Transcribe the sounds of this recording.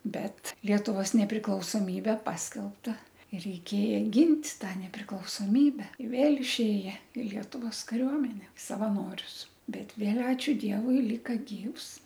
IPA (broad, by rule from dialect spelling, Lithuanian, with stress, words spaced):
ˈbʲɛt ˈlʲiɛtʊʋoːs nʲɛpʲrʲɪklˠɐʊsoːˈmʲiːbʲɛ ˈpɑːsʲkʲɛlˠptɐ ɪ rʲɛɪˈkʲeːjɛ ˈɡʲɪnʲtʲ ˈtɑː nʲɛpʲrʲɪklˠɐʊsoːˈmʲiːbʲɛ ɪ ˈʋʲeːlˠ ɪʃʲˈeːjɛ ɪ ˈlʲiɛtʊʋoːs kɐˈrʲuɔmʲɛnʲɛ sɐʋɐˈnoːrʲʊs ˈbʲɛt ˈʋʲeːlˠ ˈɑːt͡ʃʲʊ ˈdʲiɛʋʊɪ ˈlʲiːkɐ ˈɡʲiːws